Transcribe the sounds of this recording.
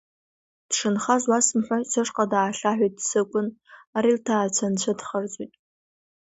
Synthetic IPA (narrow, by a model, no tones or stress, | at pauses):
d̥ʂɨnχazwasmħʷasɨʂqʼadaːɬaħʷijt̚ʼsɨkʷʼʊnaɾiltʰaːt͡ɕʷʰant͡ɕʷʰadχərd͡zʼijtʼ